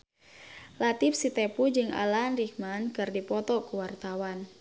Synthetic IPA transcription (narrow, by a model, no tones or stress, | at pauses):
lat̪ifsit̪ɛpud͡ʒɨŋa̰lanrikmankɨrdipɔt̪ɔkuwart̪awan